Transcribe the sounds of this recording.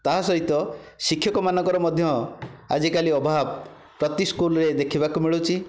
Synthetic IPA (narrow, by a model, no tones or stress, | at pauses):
t̪aɦasɔɦit̪ɔ | sikʰːjɔkɔmanɔ̃ŋkɔɾɔmɔd̪ʱjɔa̰d͡ʒikaliɔbʱab | pɾɔt̪iskulɔɾed̪ekʰibakumiɭut͡ʃʰi